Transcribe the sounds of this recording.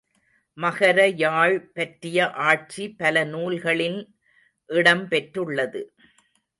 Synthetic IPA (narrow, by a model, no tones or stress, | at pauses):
mɐɣɐɾɐjaːɻpɐʈɾɪjɐʔaːʈ̚t͡ʃipːɐlɐnuːlɣɐɭɪn | ʔɪɽɐmpɛʈɾɯɭːɐðɯ